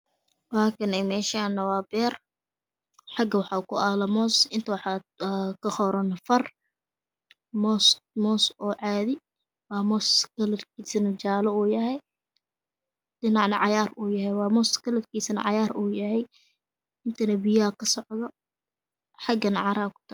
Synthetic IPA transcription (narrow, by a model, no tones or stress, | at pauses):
waːkʰɐnɛmɛːʃaːnɐwaːbɛːr | ħɑɡɐwɑħɑːkʰʊʔaːlɐmɔːsɪnt̪ʰɐwɑħɑkʰɐχɔɾɐnɐfɐr | mɔsmɔːsɔːʕɑːðɪ | wɑːmɔːskɐlɐdkʰiːsɐnɐt͡ʃaːlɔuːjɐɦɛj | dɪnɑʕnɐʕɑjaːruːjɐɦɛjwɑːmɔːskʰɐlɐd̪kʰiːsɐnɐ̰ʕɑjaːɾuːjɐɦɛj | ɪnt̪ʰɐnɐbɪjakʰɐsɔʕðɔ | ħɑɡɐnɐʕɑɾaːkʰʊ̥t̪ʰɐ